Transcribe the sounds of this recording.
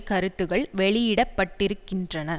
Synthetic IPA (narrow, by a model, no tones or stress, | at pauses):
kɐɾɯt̪ːɯɣɐɭʋɛɭɪjɪɽɐpːɐʈːɪɾɯkːɪndrɐnɐ